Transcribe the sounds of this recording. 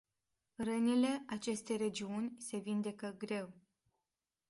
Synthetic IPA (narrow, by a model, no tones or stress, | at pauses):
rənile̞at͡ʃe̞st̪e̞jre̞d͡ʒiunʲse̞vind̪e̞kəɡɾe̞w